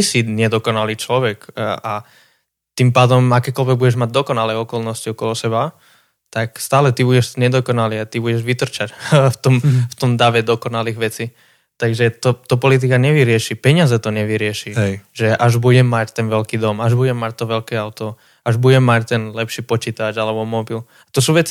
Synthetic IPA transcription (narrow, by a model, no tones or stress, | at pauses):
t̪isiɲɛd̪ɔkɔnaliːt͡ʃlɔʋɛka | t̪impaːd̪ɔmakɛːkɔlʋɛɡ̚buɟɛʒmaɟ̚d̪ɔkɔnalɛɔkɔlnɔsciɔkɔlɔsɛba | t̪akst̪aːlɛt̪ibuɟɛʃɲɛd̪ɔkɔnaliat̪ibuɟɛʒʋit̪r̩t͡ʃacft̪ɔmft̪ɔmd̪aʋɛd̪ɔkɔnaliːɣʋɛt͡si | t̪aɡʒɛt̪ɔt̪ɔpɔlit̪̬ikaɲɛʋiɾɪɛʃipɛɲɪazɛt̪ɔɲɛʋiɾɪɛʃiʒɛʔaʒbuɟɛmːact̪ɛnʋɛlkiːd̪ɔmaʒbuɟɛmːac̚t̪ɔʋɛlkɛaʊt̪ɔ | aʒbuɟɛmːact̪ɛnlɛpʃiːpɔt͡ʃiːt̪ad͡ʒalɛbɔmɔbil | at̪ɔsuːʋɛt͡si̥